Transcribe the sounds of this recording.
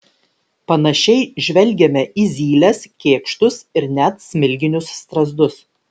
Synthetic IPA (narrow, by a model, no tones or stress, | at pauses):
pɐnɐʃʲɛɪʒʲʋʲɛlʲˑɡʲɛmʲɛʔiːzʲiːlʲɛskʲeːkʃt̪ʊsɪɾnʲæt̪sʲmʲɪlʲɡʲɪnʲʊsːt̪ɾɐzd̪ʊs